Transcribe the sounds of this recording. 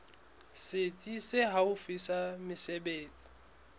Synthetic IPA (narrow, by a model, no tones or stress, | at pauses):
sɪt͡sʼiseɦaʊfɪsamɪsɛbeːt͡sʼi̥